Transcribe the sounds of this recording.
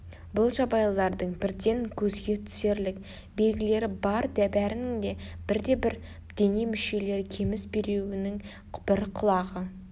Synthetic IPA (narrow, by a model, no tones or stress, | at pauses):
bʊlˠʒɑbɑjllˠɑɾd̪əɴbɪɾd̪e̞ŋkʲʰɵzɡʲe̞t̪ʰʏ̥se̞ɾlɪk | be̞lɡʲɪle̞ɾɪbɑɾd̪æbæɾɪnɪŋd̪e̞b̥ɪɾd̪e̞bɪɾ | d̪̥e̞nimʏʃe̞le̞ɾkʲʰe̞mɪsbe̞ɾewɪnɪŋ | b̥ɪɾqʰʊlˠɑʁə